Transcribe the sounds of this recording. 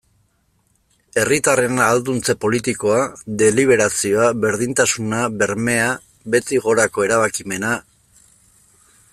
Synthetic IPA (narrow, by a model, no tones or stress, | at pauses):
e̞rit̪are̞naːld̪unt͡se̞po̞lit̪iko̞ad̪e̞liβ̞e̞ɾasio̞aβe̞ɾðint̪asunaβe̞ɾme̞a | βe̞t̪iɣo̞ɾako̞e̞ɾaβakime̞na